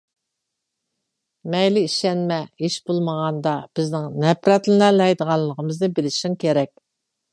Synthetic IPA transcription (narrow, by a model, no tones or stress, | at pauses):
mɛjlɪiʃɛnmɛiʃbolˠməʁɑnd̪ɑb̥ɪznɪŋnɛpɾɛt̪lɨnælɛjd̪əʁɑllˠːəʁəmɨznɨbɪlɪʃiŋkʲʰeɾɛkʲ